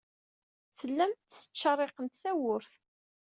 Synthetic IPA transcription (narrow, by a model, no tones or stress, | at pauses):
θəlːæmt̪sə̥t͡ʃːɑrˤeqənt̪θæwʊɾθ